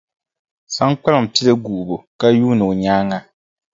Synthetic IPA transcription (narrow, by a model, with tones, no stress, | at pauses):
sa˦ŋk͡pa˦lɨ˨m̩˨pi˦lɨ˦ɡu˨ʔu˨bo˨ka˦juː˦nɨ˨o˨ɲaː˦ŋa˦